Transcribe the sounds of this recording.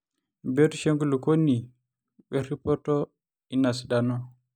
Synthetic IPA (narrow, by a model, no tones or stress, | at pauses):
bɛtuʃeŋɡulukonːi | bɛripɔtɔ | inasdanɔ